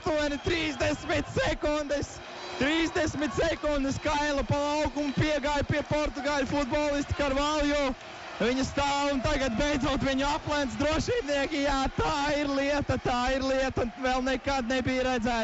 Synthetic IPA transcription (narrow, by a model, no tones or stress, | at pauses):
t̪uɔnʲit̪ɾiːzd̪ɛsmit̪sɛkund̪ɛs | t̪ɾiːzd̪ɛsmit̪sɛkund̪ɨskajlˠɐpalˠawɡumpiɛɡaːjpiɛpɔɾt̪uɡaːlʲufud̪̚bɔːlˠist̪kaɾvalˠjɔː | viɲɐst̪aːwunt̪aɡat̪̚bɛjd̪zaːt̪ʋiɲuaplˠɛnt̪sd̪ɾuɔʃiːbniɛkijaːt̪aːiɾlˠiɛt̪at̪aːiɾlˠiɛt̪avɛlˠnekad̪̚nɛbijɾæd̪zæː